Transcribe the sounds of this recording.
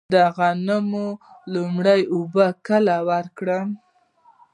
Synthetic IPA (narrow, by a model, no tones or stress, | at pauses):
d̪əɣanəmu | lumɽajubəkəlawəɾkɽəm